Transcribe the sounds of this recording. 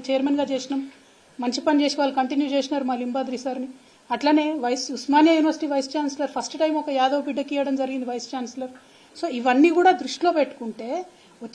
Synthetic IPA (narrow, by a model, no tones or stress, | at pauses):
t͡ʃeːɐɾmenɡaːt͡ʃeːsinɐmː | ɐɲt͡ʃipɐnit͡ʃeːsiʋaːɭːukɐɳʈinjut͡ʃeːsinaːɾumaːlimbaːd̪ɾisaːɾni | ɐʈlaːne̞ːʋɐjsusmaːnjɐjuːniʋɐɾsiʈiːʋɐjst͡ʃaːnsɐlɐɾpʰɐsʈʈɐjmɔkɐjaːd̪ɐʋɐpiɖːɐkiːjɐɽɐmd͡ʒɐɾiɡind̪iʋɐjst͡ʃaːnsɐlɐɾ | so̞ːiʋɐnːiːkuːɽaːd̪ɾuʂʈilo̞ːpeʈːu̥kuɳʈe̞ː | o